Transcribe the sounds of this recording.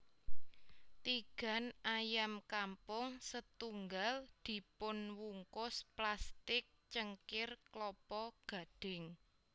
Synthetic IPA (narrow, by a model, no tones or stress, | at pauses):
t̪iɡ̥ä̤najamkampʊŋsət̪uŋɡald̪̥i̤pʊnwuŋkʊsplast̪ɪk̚t͡ʃəŋkɪrklɔpɔɡ̥a̤ɖ̥ɪŋ